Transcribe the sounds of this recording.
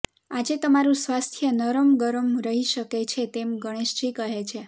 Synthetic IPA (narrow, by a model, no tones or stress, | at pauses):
ad͡ʒet̪əmaɾũsʋast̪ʰjənəɾəmɡəɾəmɾəɦiʃəket͡ʃʰet̪emɡəɽ̃eʃd͡ʒikəɦet͡ʃʰe